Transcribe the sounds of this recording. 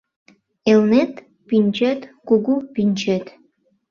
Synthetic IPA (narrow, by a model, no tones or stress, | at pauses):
elnet̪ | pinʲt͡ɕet̪kuɡupinʲt͡ɕet̪